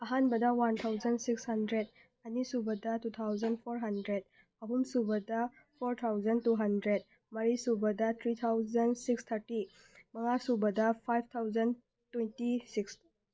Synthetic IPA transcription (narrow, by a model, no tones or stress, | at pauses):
ɐɦanbɐdɐwant̪ʰawzɐnsikshɐndɾed̚ | ɐnisubɐdɐtut̪ʰawzɐnpʰoɾɦɐndɾed̚ | ɐɦumsubɐdɐ | pʰoɾt̪ʰawzɐntuɦɐndɾed̚ | mɐɾisubɐdɐt̪ʰɾit̪ʰawzɐnsikst̪ʰɐɾti | mɐŋasubɐdɐpʰajb̚ʰt̪ʰawzɐn | twejntisiks